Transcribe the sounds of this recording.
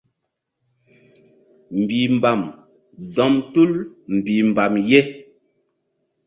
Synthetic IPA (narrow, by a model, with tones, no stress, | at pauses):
m̩˨bi˨m˨ba˨m | dɔ˨mtu˦lm̩˨bi˨m˨ba˨mje˦